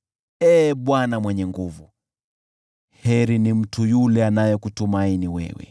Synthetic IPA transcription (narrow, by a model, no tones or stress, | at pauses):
ɛːɓwanamwɛɲɛŋɡuvu | hɛɾinim̩tʰujulɛanajɔkutumainiwɛ̰wɛ̰